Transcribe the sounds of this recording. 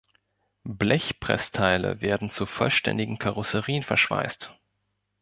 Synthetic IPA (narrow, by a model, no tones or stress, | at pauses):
blɛçpʁ̥ɛ̰stʰaɪlə̰veːɐdn̩t͡sufɔlʃtʰɛ̰ndɪɡŋ̩kʰaʁʊsəʁiːənfɛɐʃv̥a̰ɪst